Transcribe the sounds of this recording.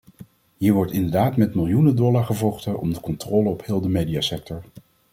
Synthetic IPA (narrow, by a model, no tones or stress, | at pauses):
ɦiːɹʋɔɹtɪndəɹdaːtmɛtmɪlˠjunədɔlaːɹχəvɔχtəʔɔ̰mdəkɔntroːləɔphɪːlˠdəmejdiaːsɛk̚tɔɹ